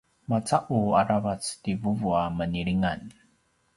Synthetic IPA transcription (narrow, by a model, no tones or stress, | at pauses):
mat͡saʔuaɾavat͡stivuvuaməniɾiŋan